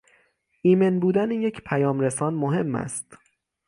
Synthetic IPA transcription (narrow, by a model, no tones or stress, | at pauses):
ʔiːmenbuːd̪ænije̞cʰpʰæjɒːmɾesɒːnmoɦe̞mːæ̰st̪